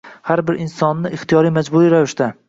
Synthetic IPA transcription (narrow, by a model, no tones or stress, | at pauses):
haɾbɪɾʔɪnsɒnːɪʔɪχt̪ʰijɒɾijmad͡ʒbʊɾijɾavɪʃt̪a